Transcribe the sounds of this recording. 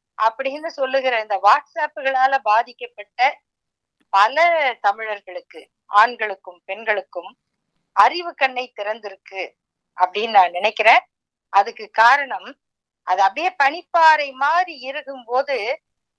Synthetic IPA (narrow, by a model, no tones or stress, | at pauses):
ʔɐpːɐɽɪɪnrɯsɔlːɯɣɪɾɐɪnd̪ɐʋaːʈsaːpːɯɣɐɭaːlɐbaːðɪkːɐpːɐʈːɐ | pɐlɐt̪ɐmɪɻɐɾɣɐɭɯkːɯ | ʔaːɳɡɐɭɯkːɯmpɛnɡɐɭɯkːɯm | ɐɾɪʋɯkɐɳːɐɪt̪ːɪɾɐnd̪ɪɾɯkːɯ | ʔɐpːɐɽɪjnnaːnnɪnɐɪkːɪɾẽː | ʔɐðɯkːɯkaːɾɐɳɐm | ʔɐðɐpːɐɽejɐpɐɳɪpːaːɾɐɪmaːɾiɪɾɯɣɯmpoːðɯ